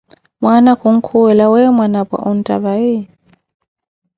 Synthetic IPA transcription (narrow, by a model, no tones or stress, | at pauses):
mwanakʰuŋ̩kʰuwɛlawɛmwanapa̰ʔun̩tʼa̰βaɪ